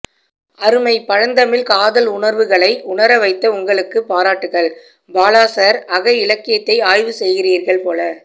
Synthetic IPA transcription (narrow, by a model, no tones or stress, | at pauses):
ɐɾɯmɐɪpːɐɻɐnd̪ɐmɪlkaːðɐlʊɳɐɾʋɯɣɐɭɐɪʊɳɐɾɐʋɐɪt̪ːɐʊŋɡɐɭɯkːɯpːaːɾaːʈːɯɣɐɭ | baːlaːsɐɾɐɣɐɪlɐkːɪjɐt̪ːɐɪaːjʋɯsɛjɣɪriːɾɣɐɭpoːlɐ